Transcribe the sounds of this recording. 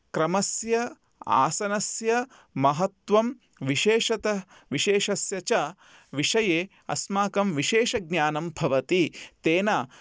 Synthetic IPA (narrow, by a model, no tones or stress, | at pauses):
kɾɐmɐsjɐ | a̰ːsɐnɐsjɐ | mɐɦɐt̪ʋɐm | ʋiʃeːʂɐt̪ɐ | ʋiʃeːʃɐsjɐt͡ʃɐ | ʋiʂɐjeː | ɐ̰smaːkɐmʋiʃeːʃɐɡ̚ɲaːnɐmbʱɐʋɐt̪it̪eːnaː